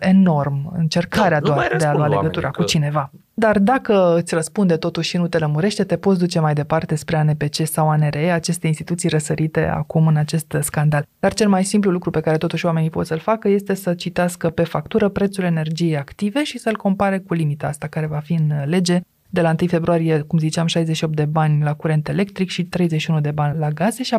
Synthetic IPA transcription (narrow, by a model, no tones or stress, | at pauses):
e̞no̞rmɨ̰nt͡ʃe̞rkaɾead̪oad̪ealloaleɡət̪uɾʔakut͡ʃine̞va | d̪ard̪akəɨt̪sʲrəspund̪e̞t̪o̞t̪uʃʲʃinut̪e̞ləmuɾe̞ʃt̪e̞t̪e̞po̞t̪sd̪ut͡ʃe̞majd̪e̞part̪e̞spɾe̞anepe̞t͡ʃe̞sawaneɾeeat͡ʃe̞st̪e̞inst̪it̪ut̪sijrəsəɾit̪e̞̰a̰kumɨnat͡ʃe̞st̪skand̪ald̪art͡ʃe̞lmajsimplulukɾupe̞kaɾe̞t̪o̞t̪uʃʲwame̞nipo̞t̪səlfakəje̞st̪e̞sət͡ʃit̪easkəpe̞fak̚t̪uɾəpɾe̞t̪sule̞ne̞rd͡ʒijejakt̪ive̞ʃisəɨlko̞mpaɾe̞kulimit̪aast̪akaɾe̞vafiɨnle̞d͡ʒe̞ | d̪e̞laɨnt̪ɨjfe̞bɾuaɾije̞kumzit͡ʃamʃajzeʃio̞pt̪d̪e̞banʲlakuɾe̞nt̪e̞le̞kt̪ɾikʃit̪ɾe̞jzeʃiunud̪e̞banʲlaɡaze̞ʃia